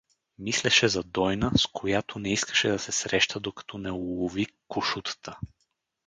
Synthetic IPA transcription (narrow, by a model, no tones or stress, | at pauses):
mislɛʃɛzɐd̪ɔjnəskʰojat̪ʰonɛiskə̥ʃɛd̪ɐsɛsɾɛʃt̪əd̪okɐ̥t̪ʰɔnɛulˠovikʊʃut̪ə̥t̪ə